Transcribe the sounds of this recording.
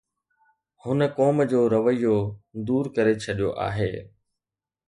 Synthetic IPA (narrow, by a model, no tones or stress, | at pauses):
hʊnəkɔːmd͡ʑoːɾɐʋəijod̪uːɾkəɾet͡ɕʰɐɗijo̰ʔa̰ːɦeː